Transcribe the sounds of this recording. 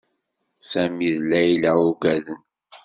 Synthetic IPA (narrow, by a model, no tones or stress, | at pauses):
sæmiðlːæjlæuɡæðən